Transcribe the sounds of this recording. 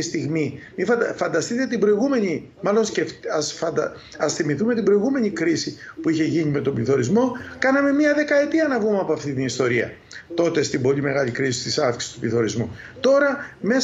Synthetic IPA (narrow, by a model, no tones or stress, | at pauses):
ist̪iɣmimifɐfɐnd̪ɐst̪it̪e̞t̪ibɾo̞iɣume̞ɲi | mɐlo̞nsceftɐsfɐd̪ɐ | ɐsθimiθumet̪ibɾo̞iɣume̞ɲikɾisipuiçe̞ʝiɲime̞t̪o̞bliθo̞ɾizmo̞kɐnɐme̞miɐðe̞kɐe̞t̪iɐnɐvɣumeɐpoɐft̪it̪inist̪o̞ɾiɐ̰ | t̪o̞t̪est̪imbo̞lime̞ɣɐlikɾisi̥st̪isɐfki̥si̥st̪ubliθo̞ɾizmut̪o̞ɾɐme̞s